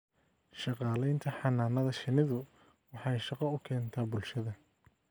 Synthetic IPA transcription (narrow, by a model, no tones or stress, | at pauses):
ʃɑqɑːlɛjnt̪ʰɐħɑnaːnɐðɐʃɪnɪðʊ | wɑħɑjʃɑqɐʊkʰɛːnt̪ʰaːbʊlʃɐðɐ